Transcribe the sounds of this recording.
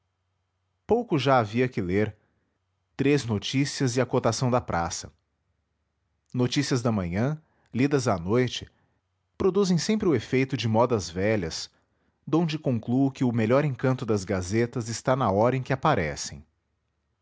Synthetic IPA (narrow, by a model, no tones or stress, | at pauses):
powkʊʒaaviɐkɪleɾ | t̪ɾeznot͡ʃisiɐzɪɐkot̪asɐ̃w̃d̪ɐpɾʔa̰sɐ̰ | not͡ʃisiɐzd̪ɐmɐ̃ɲɐ̃ | lid̪ɐzɐnojt͡ʃɪ̥ | pɾod̪uzẽj̃sẽmpɾɪʊefejt̪ʊd͡ʒɪmɔd̪ɐzvɛʎɐs | d̪õd͡ʒɪkõŋklukɪʊmeʎɔɾẽŋkɐ̃nt̪ʊd̪ɐzɡazet̪ɐzɪst̪anɐɔɾɐẽkɪapaɾɛ̰sḛ̃j̃